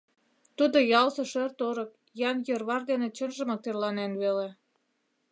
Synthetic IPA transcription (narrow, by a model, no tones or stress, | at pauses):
t̪ud̪ojɑlsɤ̆ʃørt̪oɾɤk̚ | jɑnjə̆rβɑrd̪enĕt͡ɕənʒə̆mɤk̚t̪erlɑnenβele